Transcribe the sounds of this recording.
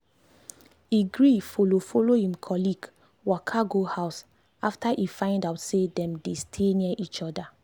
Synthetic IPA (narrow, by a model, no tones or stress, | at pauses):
iɡɹifolofolohĩmkʰɔliɡ | wakʰaɡohaʊs | aftaʔifãɪ̃ndaʊtsedɛ̃mdestʰeniaʔit͡ʃɔda